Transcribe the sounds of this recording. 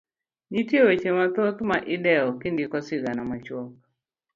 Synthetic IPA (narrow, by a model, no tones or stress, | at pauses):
d͡ʒitjwet͡ʃemat̪ot̪maʔɪdɛɔkindikɔsɪɡanamat͡ʃwɔk̚